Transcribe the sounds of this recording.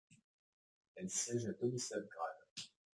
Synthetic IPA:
ɛlsjɛʒat̪ɔmisɛlɡʁa̰l

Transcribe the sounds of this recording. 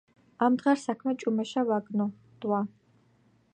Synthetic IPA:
amd̪ʁɛɾsakʰmɛt͡ʃʼumɛʃavaɡnɔ | d̪̥ʼwa

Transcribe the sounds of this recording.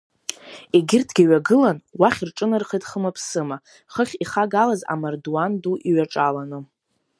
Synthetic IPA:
eɡʲɪrtʰɡʲiɥaɡɨlanwaχʲirʈ͡ʂʼɨnɨrχajtχəmapʰsɨma | χəχʲiχaɡalaza̰mardwanduʔiɥaʈ͡ʂʼalanɨ

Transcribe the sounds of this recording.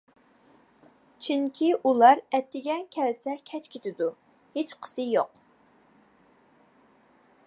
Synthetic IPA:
t͡ʃʰiŋkʲʰiʔulˠɑɾɛt̪ʰːɪɡʲɛkʲʰɛlsɛkʲʰɛt͡ʃkʲʰet̪ʰɪd̪u | het͡ʃqʰə̥sɨjoq

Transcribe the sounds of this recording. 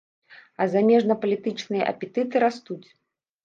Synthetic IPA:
ɐzamʲɛʐnɐpɐlʲit̪ɨt͡ʂnɨjɐ̰ʔɐ̰pʲɛt̪ɨt̪ɨɾast̪ut͡sʲ

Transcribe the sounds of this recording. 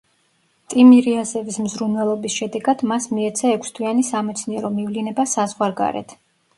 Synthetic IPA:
t̪ʼimiɾiazɛvismzɾunvɛlˠɔbisʃɛd̪ɛɡad̪masmiɛt̪sʰaɛkʷʰst̪ʰwianisamɛt̪sʰniɛɾɔmivlinɛbasazʁwaɾɡa̰ɾɛ̰t̪ʰ

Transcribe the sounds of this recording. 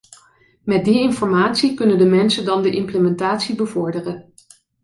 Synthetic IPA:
mɛt̚diɪnfɔɹmaːtsikɵnəndəmɛnsəndɑndəʔɪmpləmɛntaːtsibəvɔɹdərən

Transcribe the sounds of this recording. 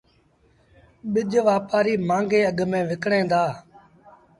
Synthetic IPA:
ɓɪʄʋaːpaːɾiːmãːŋɡeːəɠmẽːʋɪkɳẽːd̪aː

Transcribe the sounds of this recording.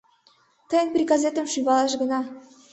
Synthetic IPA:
t̪əjənpɾiɡazet̪ə̆mʃyβɑlɑʃɡə̆nɑ

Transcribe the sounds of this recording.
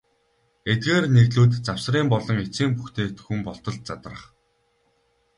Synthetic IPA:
et̪̚ɡeːrneɣɮuːt̪t͡saw̥sriːmpɔɮɞ̆ŋet͡siːmpuxt̪eːt̪ʰɵxŭmpɔɬt̪ɞ̆ɮ̚t͡sat̪̆ə̆χ

